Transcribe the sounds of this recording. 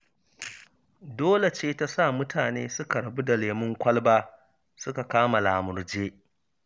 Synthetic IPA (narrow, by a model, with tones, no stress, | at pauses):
doː˦le˨t͡ʃeː˦ta˦sa˦˨mʊ˦tʰaː˨neː˦sʊ˦ka˨ɽɐ˨bu˦da˨leː˨mʊ˦ŋkʷɐ˦lbaː˦ | sʊ˦ka˨kaː˦ma˨laː˨mʊ˨rd͡ʒeː˦